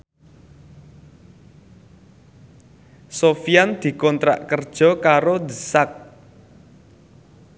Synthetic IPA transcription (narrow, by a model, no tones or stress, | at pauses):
sofijand̪̥i̤kɔnt̪ɾa̰ʔkərd̥ʒ̥ɔ̤kaɾod̪əsak̚